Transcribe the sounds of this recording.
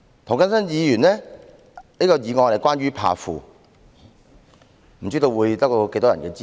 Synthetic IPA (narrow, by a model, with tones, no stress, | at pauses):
t̪ʰŋkɐ˥nsɐ˥njiː˨˧jyː˨˩nlɛ˥ | niː˥kɔː˧jiː˨˧ŋɔː˧le˨˩kwaː˥nɥyː˥pʰa̰ː˨˧fṵː˨ | m̩˨˩t͡ʃyː˥t̪o˧wuː˨˧jt̪ɐ˥k̚to˧ke˧jt̪ɔː˥ɐ̰˨˩nkɛː˧t͡si˥